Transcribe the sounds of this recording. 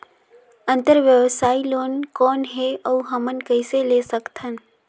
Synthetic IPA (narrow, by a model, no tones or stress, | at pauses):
ə̃nt̪əɾʋjəʋsaːiloːnkɔːnɦeəuɦəmənkəɪselesəkt̪ʰən